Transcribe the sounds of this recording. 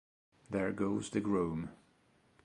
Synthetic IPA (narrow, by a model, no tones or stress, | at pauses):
ðəɹɡoʊzðɨɡɹũm